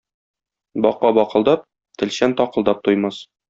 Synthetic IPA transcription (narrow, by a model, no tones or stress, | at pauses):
bɒqɑbɒqɤ̆lˠd̪ɑp̚ | t̪ɘ̆lɕænt̪ɒqɤ̆lˠd̪ɑp̚t̪ujmɑs